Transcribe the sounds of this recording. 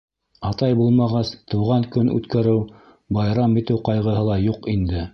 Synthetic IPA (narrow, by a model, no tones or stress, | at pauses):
ɑt̪ɑjbulˠmɑʁɑst̪ɤ̆wʁɑŋkɵnʉ̰t̪kæɾɘw | bɑjɾɑmbit̪ɘwqɑjʁɤ̆ɦɤlˠɑjuqind̪ɘ